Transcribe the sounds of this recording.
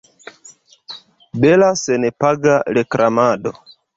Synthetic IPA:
belasenepaɡaɾekɾʔamaɗo

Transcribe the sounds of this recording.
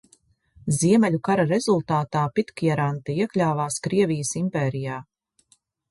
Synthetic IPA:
ziɛmɛʎʲukaɾaɾezulˠt̪aːt̪aːpit̪kjɛɾant̪iiɛklʲaːvaːskɾiɛvijəsimpɛːɾijaː

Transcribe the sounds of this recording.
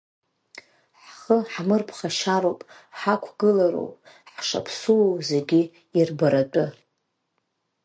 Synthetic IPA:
ħχəħmɨrpʰχaʃaɾowpʼħakʷʰɡɨlaɾo̰wpʼ | ħʂa̰pʰsuzeɡʲi | irbaɾatʼʊ

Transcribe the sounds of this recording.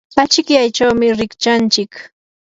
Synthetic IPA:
at͡ʃɪkjajt͡ʃawmɪɾɪkt͡ʃant͡ʃɪk

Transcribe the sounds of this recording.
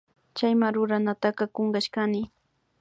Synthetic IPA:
t͡ʃajmaɾʊɾanat̪aqɑkoŋɢɑʃkanɪ

